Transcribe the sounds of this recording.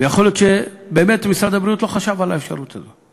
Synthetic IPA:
vejaχoljot̪ʃebeːmetmisɾad̪abɾiut̪lo̞χaʃavalaefʃa̰ʁut̪ʰazo

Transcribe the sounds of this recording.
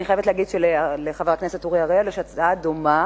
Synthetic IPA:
niχajevetlɛːɡidʃeleleχaveaknesetoʁiaʁeoleʃat͡saadoma

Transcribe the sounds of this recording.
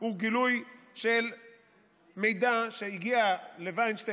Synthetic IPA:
huɡilujʃel | mejd̪aʃeiɡialevajnʃt̪e

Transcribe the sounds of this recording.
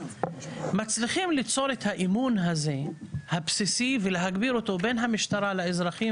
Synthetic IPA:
mat͡sliχimlit͡so̞ɾet̪haʔimunɦaze̞habsisiveleɦaɡbiɾo̞t̪o̞be̞nɦamiʃt̪aʁalaezʁaχi

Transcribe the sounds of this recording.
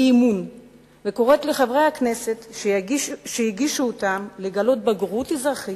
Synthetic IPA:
imun | veko̞ʁetle̞χavʁe̞jhakne̞se̞t | ʃejiɡiʃuotamleɡalo̞t̚baɡʁutizʁaχi

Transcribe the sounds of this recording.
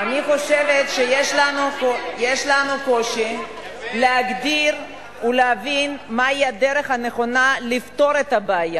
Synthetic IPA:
aniχo̞ʃe̞vet̪ʃejeʃlanukojeʃlanuko̞ʃi | leɦaɡd̪iʁ | uleɦavinmaiad̪eʁe̞χhane̞χo̞nalift̪o̞ɾet̪abeːja

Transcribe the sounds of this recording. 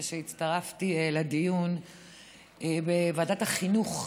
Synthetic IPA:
ʃeitt͡st̪aʁaftieladijun | ebevaːdathaχinuχ

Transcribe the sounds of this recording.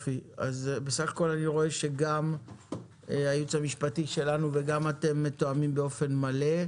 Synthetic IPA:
fia̰zbesaχḁko̞laniʁo̞e̞ʃe̞ɡam | ajut͡shamiʃpatiʃe̞lanuve̞ɡamate̞mːetoamimbeo̞fe̞nmale̞

